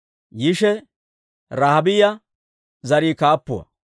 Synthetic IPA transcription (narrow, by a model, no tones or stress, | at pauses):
jɪʃɛ | ɾahɐbɪjɐ | zɐɾiːkaːpːʊwɐ̰